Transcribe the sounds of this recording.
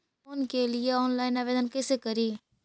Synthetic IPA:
ʊnkelɪeɔːnlaːɪnaːʋeːd̪ənkeseːkəɾiː

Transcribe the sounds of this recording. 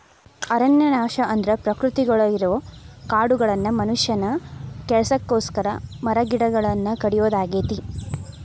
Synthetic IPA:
ɐɾɐnjɐnaːʃɐʔɐnd̪ɾɐpɾɐkɾut̪iɡɐɭɐiɾukaːɽuɡɐɭɐnːɐmɐnuʂjɐnɐkɛɭɐsɐkːoːskɐɾɐmɐɾɐɡiɽɐɡɐɭɐnːɐkɐɽijoːd̪aːɡeːt̪i

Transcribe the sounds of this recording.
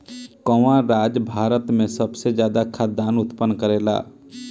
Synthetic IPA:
kɔʋãɾaːd͡ʒbʱaːɾət̪mẽsəbsezjaːd̪akʰaːd̪aːnʊt̪pənːkəɾeːla̰ː

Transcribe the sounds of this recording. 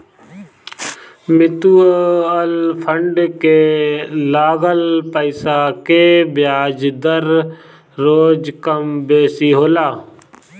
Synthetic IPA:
mɪt̪uːəlpʰəɳɖkelaːɡəlpəɪsakebjaːd͡ʒd̪əɾː | oːd͡ʒkəmbeːsiɦoːlaː

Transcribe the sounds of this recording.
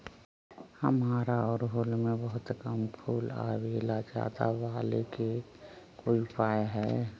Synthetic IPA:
həmaːɾaɔːɾɦʊlmẽbəɦʊt̪kəmpʰuːla̰welad͡ʒa̰ːt̪a̰ʋaːlḛke | koːipaːeɦɛː

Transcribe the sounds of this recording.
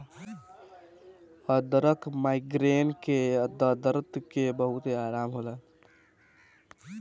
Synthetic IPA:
əd̪əɾəkmaiɡɾenkeəd̪əd̪əɾt̪kebəɦʊt̪eaːɾaːmɦola

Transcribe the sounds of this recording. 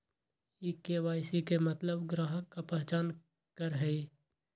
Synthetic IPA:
iːkeːʋaːɪsikemət̪ləbɡɾaːɦəkːapɛɦt͡ʃaːn | kəɾɦɛi

